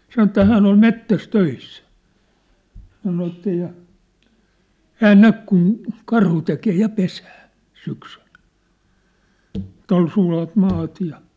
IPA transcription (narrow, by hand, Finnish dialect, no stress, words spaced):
sɑnŏ ĕtːæ hæːn ol metːæs tøisːæ sɑno etːæ jɑ hæːn næk kun kɑrhu tekeː jɑ pesæː syksyl̥ ĕtˑ ol sulɑt mɑːt jɑ